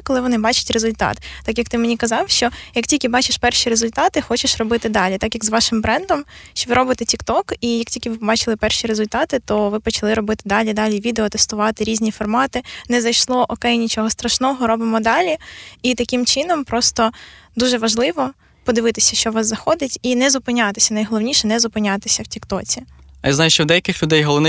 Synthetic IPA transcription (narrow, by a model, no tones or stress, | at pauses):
kɔlˠɪʋɔnɪbɑt͡ʃʊ̥tʲrezʊlʲt̪ɑ̰t̪ːɑkjɐkt̪ɪmenʲikɐzɑwʃt͡ʃɔjɐk̚tʲilʲkʲɪbɑt͡ʃɪʃpɛrʃiɾezʊlʲt̪ɑt̪ɪxɔt͡ʃeʃrɔbɪt̪ɪd̪ɑlʲit̪ɑkjɐɡzʋɑʃɪmbɾɛnd̪ɔmʃt͡ʃʋɪɾɔbɪt̪ɛtʲikt̪ɔkijɐk̚tʲilʲkʲɪʋɪpɔbɑt͡ʃɪlˠɪpɛrʃiɾezʊlʲt̪ɑt̪ɪt̪ɔʋɪpɔt͡ʃɐlˠɪɾɔbɪt̪ɪd̪ɑlʲid̪ɑlʲiʋʲid̪eɔt̪ɛst̪ʊʋɑt̪ɪɾʲizʲnʲifɔrmɑt̪ɪnɛzɐjʃlˠɔʔɔkɛjnʲit͡ʃɔɦɔst̪ɾɐʃnɔɦɔɾɔbɪmɔd̪ɑlʲiit̪ɐkɪmt͡ʃɪnɔmpɾɔst̪ɔd̪uʒɛʋɐʒlˠɪʋɔ | pɔd̪ɪʋɪt̪ɪsʲɐ̥ʃt͡ʃɔʋɑszɐxɔd̪ʲɪtʲinɛzʊpɪnʲɑt̪ɪsʲɐnɐjɦɔlˠɔwnʲiʃɛnɛzʊpɪnʲat̪ɪsʲɐwtʲikt̪ɔt͡sʲiɐjazɑjʊʃt͡ʃɔwd̪ɛjɐkɪxlʲʊd̪ɛjɦɔlˠɔʋnɪ